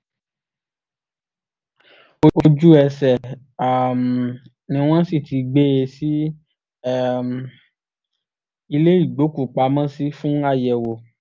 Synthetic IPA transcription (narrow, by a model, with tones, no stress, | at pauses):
o˧o˧d͡ʒu˦ɛ˧sɛ˨ | a˨m˨ | nĩ˧w̃ɔ̃˦si˦˨tʰi˧ɡ͡be˦e˧si˦˨ | m˨ | i˧le˦i˦˨ɡ͡bo˨˦ku˨k͡pa˧˦mã˦si˦fũ˦a˦˨jɛ˨wo˨